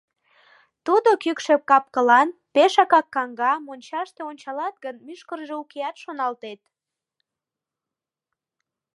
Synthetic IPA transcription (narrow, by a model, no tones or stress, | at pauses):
t̪ud̪okykʃep̚kɑp̚kəlɑnpeʃɑkɑkːɑŋɡɑmonʲt͡ɕɑʃt̪eonʲt͡ɕɑlɑt̪̚ɡənmyʃkərʒeukeɑt̪ʃonɑlt̪et̪